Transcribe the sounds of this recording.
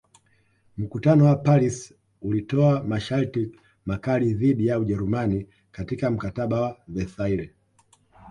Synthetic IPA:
m̩kutanɔwapalis | ulitɔamaʃalti | makaliðiɗijauʄɛɾumani | katikam̩kataɓawavɛθaiɾɛ

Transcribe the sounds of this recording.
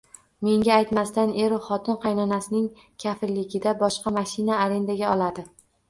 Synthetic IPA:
me̞ŋɡʲaːjt̪mast̪ane̞ɾχɒt̪ʰɪnqʰɑjnɒnasɪnɪŋ | kʲʰafɪlːɪɡʲɪd̪abɒʃqɑmaʃɪnaːɾe̞nd̪aɡʲaɒlˠad̪ɪ

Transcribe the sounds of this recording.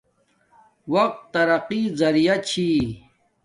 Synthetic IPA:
wɐq̚t̪ːɐɾɐqizɐɾijat͡ɕʰi

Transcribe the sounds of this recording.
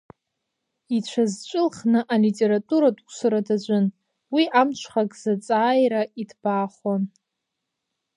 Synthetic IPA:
it͡ʃʷʰazt͡ʃʷʼʊlχnɨʔalitʼe̞ɾatʼuɾadʼkʷsaɾadad͡ʒʷʊn | wiʔamt͡ʃʷʰχakʼz̥at͡sʼaːjɾaidb̥aːχan

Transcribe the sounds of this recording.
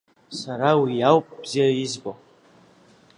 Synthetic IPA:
saɾawijawpʼb̥z̥iajizbʼo

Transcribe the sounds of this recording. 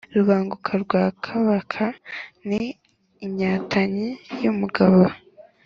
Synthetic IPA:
ɾuβaːŋɡukʰaɾɡwaːkʰaβakʰaniː | ɲaːtʰaɲijumuɡaβa

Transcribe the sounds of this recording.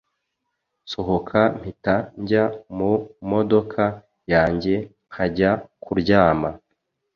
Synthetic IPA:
so̞ɦokʰam̥hitaɲɟamumo̞do̞kʰa | jaːɲɟe̞ŋhaɟakuɾɟaːma

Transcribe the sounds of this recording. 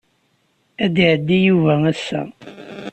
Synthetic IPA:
æd̪iʕəd̪ːijuvææsːæ̰

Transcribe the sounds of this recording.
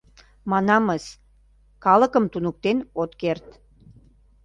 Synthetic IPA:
mɑnɑməs | kɑləkəmt̪unuk̚t̪enot̪kert̪

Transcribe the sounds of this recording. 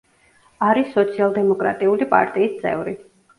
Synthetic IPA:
aɾisːɔt̪sʰialˠd̪ɛmɔkʼɾa̰t̪ʼiulipʼa̰ɾt̪ʼiːst̪sʼɛ̰vɾi

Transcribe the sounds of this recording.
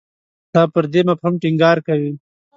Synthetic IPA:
t̪aːpəɾd̪emapɾumʈɪŋɡɑːɾkawi

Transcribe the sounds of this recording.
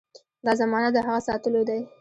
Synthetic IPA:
d̪ɑzamɑnat̪̚d̪əɦaɣasɑt̪əlod̪aj

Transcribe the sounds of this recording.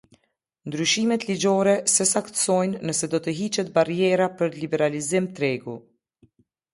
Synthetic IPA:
nd̪ɾyʃimɛt̪lid͡ʒɔɾɛsɛsakt̪sɔjnːəsɛd̪ɔt̪əɦit͡ʃɛt̪̚baɾjɛɾapəɾlibɛɾalizimt̪ɾɛɡu

